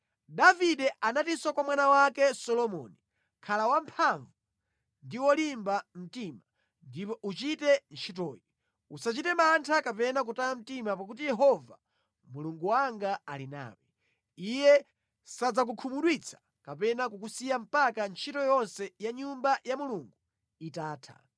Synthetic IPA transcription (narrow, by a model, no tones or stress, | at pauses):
davidɛʔanatiswakwamwanawakɛsɔlɔmɔ̰ni | kʰalawampʰaɱvu | ndiwɔlimbam̩tima | ndipɔʔut͡ʃitɛnt͡ʃʰitɔːji | usat͡ʃitɛmantʰakapɛnak̬utaam̩timap̬ak̬utijɛɦɔva | muluŋɡuwaŋɡaalina̰ːwɛ | ijɛ | sad͡zak̬ukʰumuɗwit͡sʰḁ | kapɛnakukusijam̩pakant͡ʃʰitɔjɔnsɛjaɲumbajamuluŋɡu | itaːtʰa̰